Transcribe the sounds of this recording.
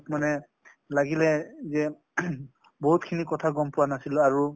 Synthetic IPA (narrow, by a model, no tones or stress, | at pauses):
tmanɛ | laɡilɛzɛ | boɦut̚kʰinikɔtʰaɡɔmpʊwanasilaɹu